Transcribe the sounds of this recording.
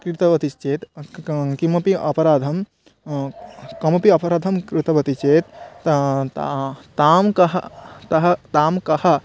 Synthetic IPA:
kɾit̪ɐʋɐt̪ist͡ʃeːt̪kimɐpiʔɐpɐɾaːd̪ʱɐm | kɐmɐpiɐpɐɾaːd̪ʱɐmkɾɪt̪ɐʋɐt̪it͡ʃeːt̪ | t̪aːmkɐɦɐt̪ɐɦɐt̪aːmkɐhɐ

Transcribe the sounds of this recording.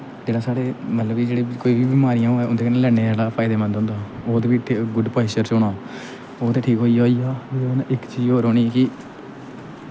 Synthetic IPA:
d͡ʒeːɽaːsaːɽeːmət̪ləbiːd͡ʒeːɽeːkoːiːbiːbimaːɾijãːoːɛːʊnd̪eːkəneːlɛ̃ːeːaːlaːpʰaːɪd̪eːmə̃nd̪ɦʊ̃nd̪aːoːt̪eːiːɡʊɖpaːɪʃəɾsʊɽ̃aː | oːt̪eːʈʰiːkɦoːiːoːijaːenaʔɪkt͡ʃiːzoːɾoːniːɛkɪ

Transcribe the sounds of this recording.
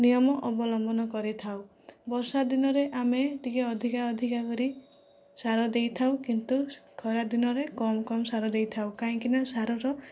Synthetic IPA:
nijɔmɔʔɔbɔlɔmbɔnɔkɔɾit̪ʰaw | bɔɾsad̪inɔɾeʔameʈikeɔd̪ʱikaɔd̪ʱikakɔɾi | saɾɔd̪ejt̪ʰawkint̪ukʰɔɾad̪inɔɾekɔmɔkɔmɔsaɾɔd̪ejt̪ʰawkaɦĩŋkinasaɾɔɾɔ

